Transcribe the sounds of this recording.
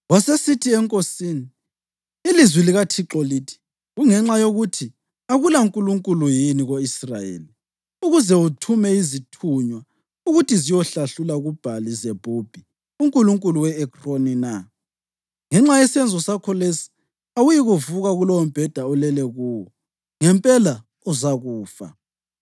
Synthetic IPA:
wasesitʰiɛŋkʼosiːniː | lizwiliɣatʰiǁɔliːtʰi̥ | ɣuŋɛŋ͡ǁajoɣutʰi | aɣulauŋkʼuluŋkʼulujiniɣoisra̰jḛːli | uɣuzɛutʰumɛizitʰuɲwa | uɣutizijɔɬaɬulaɣub̥ʱalizɛb̥ʱub̥ʱi | uŋkʼuluŋkʼuluwɛːkʰronina | ŋɛŋ͡ǁajɛsɛnd͡zʱɔsakʰɔlesi̥ | awujiɣuvuɣaɣulɔwɔm̩b̥ʱɛd̥ʱaɔlɛlɛɣuːwɔ | ŋɛmpʼɛla | uzaɣuːfa̰

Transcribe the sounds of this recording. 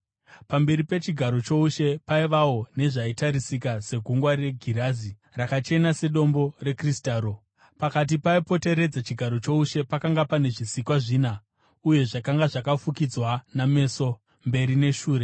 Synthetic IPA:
pambe̞ɾipe̞t͡ʃiɡʱaɾo̞t͡ʃo̞uʃe̞paiʋawo̞ne̞ʐaitaɾisikase̞ɡʱuŋɡware̞ɡʱiɾaːzi | rakat͡ʃe̞nase̞ɗo̞mbo̞re̞kristaːɾo̞ | pakat̬ipaipo̞te̞ɾe̞d͡zat͡ʃiɡʱaɾo̞t͡ʃo̞uʃe̞pakaŋɡapane̞ʐisikwaʐiːna | uje̞ʐakaŋɡaʐakafukid͡zwaname̞so̞ | mbe̞ɾine̞ʃuːre

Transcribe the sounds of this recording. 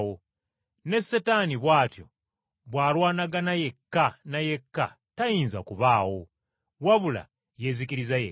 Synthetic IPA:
wo | ne̞sːetaːniβwaːtjo̞̰ | βwaːlwaːnaɡanaje̞kːanaje̞kːa̰ | tajiːnza̰kuβaːwo̞ | waβula̰ | je̞ːzikiɾizajḛ

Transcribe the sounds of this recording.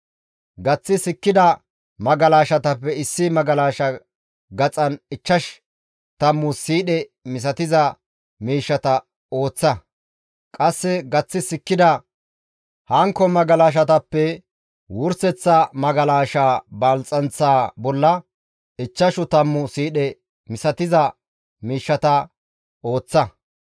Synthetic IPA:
ɡɐt͡sːɪsɪkːɪd̪ɐ | mɐɡɐlaːʃɐt̪ɐpːɛɪsːɪmɐɡɐlaːʃɐ | ɡɐt͡sʼɐnɪt͡ʃːɐʃ | t̪ɐmːʊsiːɗɛmɪs̬ɐt̪ɪzɐ | miːʃːɐt̪ɐ | o̞ːt͡sːɐ | kʼɐsːɛɡɐt͡sːɪsɪkːɪd̪ɐ | hɐŋkːɔmɐɡɐlaːʃ̬ɐt̪ɐpːɛ | wʊɾsɛt͡sːɐmɐɡɐlaːʃaːbɐlt͡sʼɐnt͡sːaːbɔlːɐ | ɪt͡ʃːɐʃʊt̪ɐmːʊsiːɗɛ | mɪsɐt̪ɪzɐ | miːʃːɐt̪ɐ | o̞ːt͡sːɐ

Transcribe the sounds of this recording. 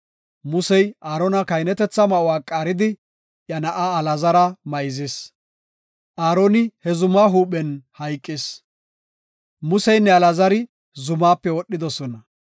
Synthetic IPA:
mʊsɛjaːɾɔnɐkɐjnɛt̪ɛt͡sːɐmɐʔʊwaːkʼːaːɾɪd̪ɪ | jɐnɐʔaːlɐzɐɾɐmɐjzɪs | ʔaːɾoːnɪhɛzʊmaːɦuːɓɛnhɐjkʼːɪs | mʊsɛjnːɛɐlɐzɐɾɪ | zʊmaːpːɛwɔɗːɪd̪ɔsɔnɐ

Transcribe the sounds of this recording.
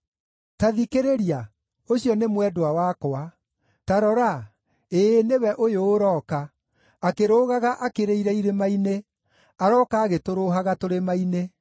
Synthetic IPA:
taðikeɾeɾia | oɕijɔnemwɛdoawakoa | taɾɔɾa | eːnewɛʔojoːɾɔːkaː | keɾoːɣaɣaʔakeɾeiɾɛiɾemaine | aɾɔkaːɣetoɾoɦaɣatoɾemaine

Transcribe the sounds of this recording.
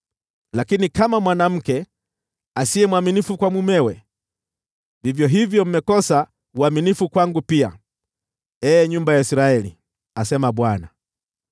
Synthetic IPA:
lakinikamamwanam̩kɛ | asiɛmwaminifukwamumɛwɛ | vivjɔɦivjɔm̩mɛkɔsa | uaminifukwaŋɡupia̰ | ɛːɲumbajaisɾaɛlḭ | asɛmaɓwana

